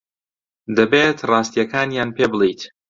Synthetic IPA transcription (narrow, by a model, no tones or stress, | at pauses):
d̪ɐbet̪rɑːst̪ijɐkʰaːnjaːnpʰeːbɨlˠijt̪